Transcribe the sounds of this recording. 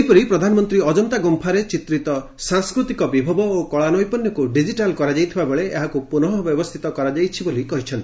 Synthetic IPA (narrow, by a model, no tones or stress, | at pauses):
jpɔɾipɾɔd̪ʱanɔmɔnt̪ɾiɔd͡ʒɔnt̪aɡɔmpʰaɾet͡ʃit̪ɾit̪ɔ | saŋskɾut̪ikɔbibʱɔbɔokɔɭanɔjpɔnjɔkuɖid͡ʒiʈalkɔɾad͡ʒajt̪ʰibabeɭeeɦakupunɔɦɔbjɔbɔst̪ʰit̪ɔkɔɾad͡ʒajt͡ʃʰibolikɔɦit͡ʃʰɔnt̪i